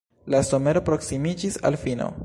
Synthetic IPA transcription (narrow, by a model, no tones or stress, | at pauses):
laso̞me̞ɾo̞pɾo̞ksimid͡ʒisa̰lfino̰